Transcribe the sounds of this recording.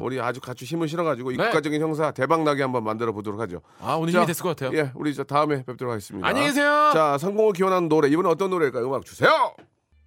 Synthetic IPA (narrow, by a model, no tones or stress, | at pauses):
ṵɾiad͡ʑukat͡ɕʰuɕ̬ʰimɯɭɕ̬ʰiɾʌɡad͡ʑiɡoik͈ad͡ʑʌɡinçjʌŋs̬ʰate̞baŋnaɡihambʌnmandɯɾʌbodoɾokʰad͡ʑo̰ | aaeskʌkatʰejoje̞ṵɾit͡ɕataɯme̞pep̚t͈oɾkʰaɡe̞s͈ɯmɲida̰ɲeɡes̬ʰejot͡ɕasʰaŋɡoŋɯɭkiwʌnɦannːoɾe̞ibʌnɯnʌt͈ʌnːoɾeiɭkajɯmak̚t͡ɕu̥sʰe̞jo